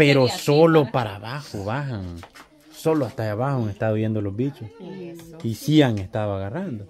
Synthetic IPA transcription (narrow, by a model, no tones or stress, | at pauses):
peɾosolopaɾaβaxoβaɦaŋ | soloaht̪aaβahoaŋeht̪aðoβjend̪olohbit͡ʃo | isiaŋest̪aðoaɣarand̪o